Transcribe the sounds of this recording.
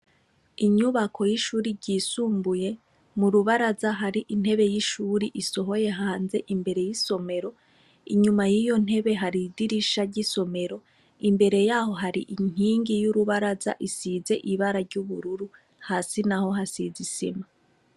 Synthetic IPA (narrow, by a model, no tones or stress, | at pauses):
iɲuβakʰo̞jiʃuːɾiɾɟiːsuːmbuje̞ | muɾuβaɾazaɦaɾiʔin̥he̞βe̞jiʃuːɾiʔiso̞ɦo̞je̞ɦaːnze̞ʔimbe̞ɾe̞jiso̞me̞ɾo̞ | iɲumajijo̞n̥he̞βe̞ɦaɾidiɾiʃaɟiso̞me̞ɾo̞ | imbe̞ɾe̞jaːho̞ɦaɾiʔiŋ̥iːŋɡijuɾuβaɾaza̰ʔisize̞ʔiβaɾaɾɟuβuɾuɾu | haːsinaho̞ɦasizisḭma